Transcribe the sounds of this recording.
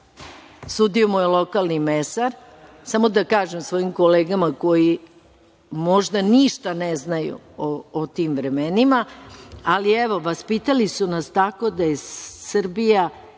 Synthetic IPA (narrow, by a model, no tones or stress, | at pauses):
suːd̪iomojelˠo̞kalnimesaɾ | samo̞d̪akaːʒemsʋoːjimko̞leːɡamako̞ji | mo̞ʒd̪aniʃt̪aneznajṵoːt̪iːmʋɾemenimaalieʋo̞ʋaspiːt̪alisunast̪ako̞d̪ajesr̩bija